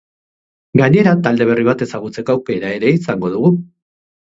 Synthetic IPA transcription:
ɡaɲe̞ɾat̪ald̪e̞β̞e̞riβat̪e̞saɣut͡se̞koawke̞ɾae̞ɾe̞isaŋɡo̞ðuɣ̞u

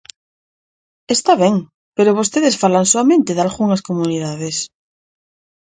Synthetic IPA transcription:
est̪aβeŋ | peɾoβ̞ost̪eðesfalaŋsoamẽnt̪eðalɣuŋaskomuniðaðes

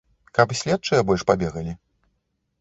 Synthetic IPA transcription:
kapsʲlʲɛt̪̚t͡ʂɨjɐbɔlʲʂpabʲɛɣɐlʲi

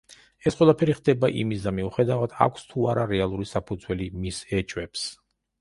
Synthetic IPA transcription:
ɛsqwɛlˠapʰɛɾiχd̪ɛbaʔḭmisd̪amiuχɛd̪avad̪ʰa̰kʷʰst̪ʰuaɾaɾɛalˠuɾisapʰud̪zwɛlimisɛt͡ʃʼwɛps

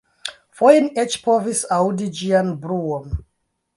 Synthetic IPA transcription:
fojinet͡ʃpʰovisawdid͡ʒianbɾuon

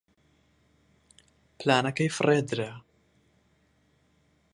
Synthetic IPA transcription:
plaːnɐkɛjfrɛd̪ɾɛ

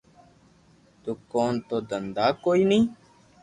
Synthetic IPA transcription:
t̪ukoːnt̪od̪ənd̪aːkoːiːnĩː

